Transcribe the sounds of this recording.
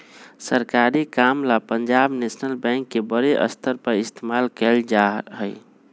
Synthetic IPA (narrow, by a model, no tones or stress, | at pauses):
səɾkaɾikamlapəɲd͡ʒabnesnəlbɛ̃ŋkːebəɾeʔə̰st̪ʰəɾpəɾist̪ʰemalkɛld͡ʒaɦəɪ